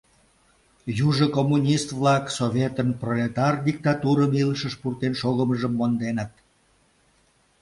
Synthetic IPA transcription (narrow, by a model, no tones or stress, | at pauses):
juʒəkomːunʲist̪vlɑksoβʲet̪ənprolʲet̪ɑrd̪ʲik̚t̪ɑt̪uɾəmiləʃəʃpurt̪enʃoɣəməʒəmːond̪enət̪̚